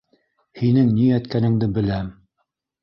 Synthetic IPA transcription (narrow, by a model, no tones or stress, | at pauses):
hinɘŋniæt̪kænɘ̆ŋd̪ɘbɘ̆læm